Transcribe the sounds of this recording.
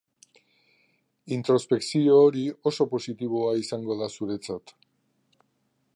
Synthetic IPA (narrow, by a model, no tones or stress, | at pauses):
int̪ɾo̞spe̞ksio̞ːɾio̞so̞po̞sit̪iβ̞oaisaŋɡo̞ðasuɾe̞t͡sat̪